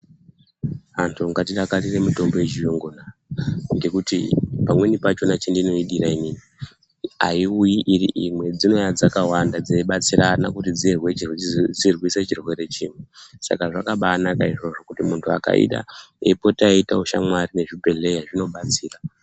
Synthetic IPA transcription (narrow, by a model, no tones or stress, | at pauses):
antʰuŋɡatiɗakariremuto̞mboeʒijoŋɡonaŋɡe̞kutipamwe̞nipat͡ʃo̞nat͡ʃindino̞iɗiɾainiːni | a̰iujiʔiriʔimwe̞d͡zino̞jad͡zakawandad͡zeiɓat͡siɾana̰kutid͡zirwet͡ʃid͡zirwiset͡ʃirwe̞ɾe̞t͡ʃiːmwesa̰kaʐakaɓaːnakaiʐo̞ʐo̞kutimuntʰua̰ka̰ḭɗa̰ | epo̞taitauʃa̰mwarine̞ʐipe̞ɮe̞jaʐino̞ɓat͡siːra